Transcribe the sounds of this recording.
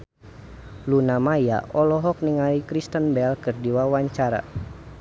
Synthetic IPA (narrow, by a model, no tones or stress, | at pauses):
lunamaja̰ʔɔlɔɦɔk̚niŋaikɾist̪ənbɛlkɨrdiwawaɲt͡ʃaɾa̰